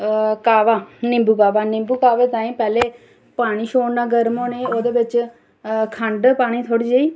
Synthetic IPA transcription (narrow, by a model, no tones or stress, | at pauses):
kaːʋaːnɪ̃mbuːkaːʋaːnɪ̃mbuːkaːʋeːt̪ãːĩːpɛːleː | paːɽ̃iːʃoːɳnaːɡəɾmoːneːoːd̪eːʋɪt͡ʃ | kʰəɳɖpaːɽ̃iːt̪ʰoːɽiːd͡ʒaːiː